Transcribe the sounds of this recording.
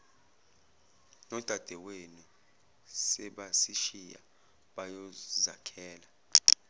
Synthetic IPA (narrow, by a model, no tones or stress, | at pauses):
nɔd̥ʱad̥ʱɛwenu | sɛɓasiʃija̰ | ɓajɔza̰kʰɛːla